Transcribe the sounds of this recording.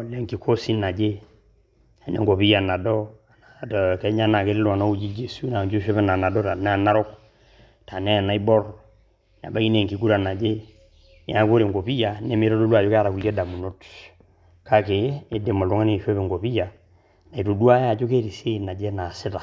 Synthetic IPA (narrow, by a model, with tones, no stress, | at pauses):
o˨le˦ŋki˨kʰo˦si˦na˨d͡ʒe˦ | a˨nḛ˨ŋɡo˨pi˦ja˨na˨dɔ˦˨ | na˨kɛ˦ɲa˦na˨ke˦li˦la˨na˦u˦d͡ʒi˦d͡ʒe˨su˦na˨d͡ʒu˦ʃe˦βe˦na˨na˨dɔ˦ta˨n˦a˨na˦ɾo˦k | ta˨nɛ˦a˨na˨˦i˦bɔ˦r | n˨a̰˨ba˦ki˦ne˦˨ŋki˨ku˦ɾa˨na˨d͡ʒe˦ | nḛ˨˦a˨˦ko˦ɾe˨ŋɡo˨pi˦ja˨ne˦me˦ɾo˦do˦du˦a˨d͡ʒo˦ka˦ɾa˨ku˨le˦da˨mu˨no˦t | ka˦keː˨˦de˨ma˨lu˨˦ŋa˦ne˨ʃe˦βe˨ŋɡo˨pi˦ja˨ | na˨i˨to˨du˦a˦ja˨d͡ʒo˦ke˦ɾi˨se˦˨na˨d͡ʒe˦na˨si˦ta˨